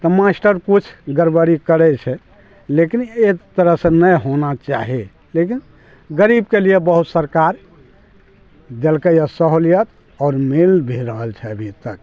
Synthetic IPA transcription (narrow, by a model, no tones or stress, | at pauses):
t̪ɔmasʈəɾkut͡ʃʰɡəɾbəɾikəɾɛt͡ʃʰɛ | lekinet̪əɾəɦsə̃nəjɦonat͡ʃaɦi | lekin | ɡəɾibkelijebəɦut̪səɾkaɾ | d͡ʒelkəjəsəɦolijət̪ | ɔːɾmelbʱiɾəɦəlt͡ʃʰɛəbʱit̪ək